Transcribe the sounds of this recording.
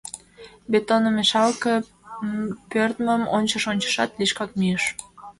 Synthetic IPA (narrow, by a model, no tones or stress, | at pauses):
bet̪onəmeʃɑlkə | pørt̪məmo̰nʲt͡ɕəʃonʲt͡ɕə̥ʃɑt̪liʃkɑk̚myəʃ